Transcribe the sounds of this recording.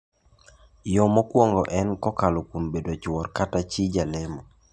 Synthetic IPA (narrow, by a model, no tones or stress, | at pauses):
jɔmɔkwɔŋɡɔʔɛnkɔkalokwombedot͡ʃwɔrkatat͡ʃid͡ʒalɛmɔ